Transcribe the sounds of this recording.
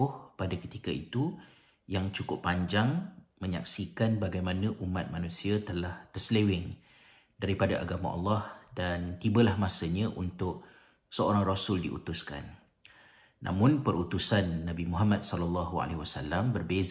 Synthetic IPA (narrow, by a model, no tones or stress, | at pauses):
ʊhpadakət̪ikaḭt̪u | jaŋt͡ʃukʊpːaɲd͡ʒaŋmə̃ɲa̰ksikanbaɡajmanə̃ʔumat̪̚manũsiat̪əlaht̪əslewɪŋ | daɾipadaʔa̰ɡamã̰ʔɑ̰lːɑhdant̪ibəlahmasəɲãʔunt̪ʊʔ̚ | səoɾaŋrosʊldḭʔṵt̪ʊska̰nː | a̰mʊ̃npərut̪usanːabimuɦamat̪̚sɔlalːɑɦua̰lḛɦiwasa̰lːambərbez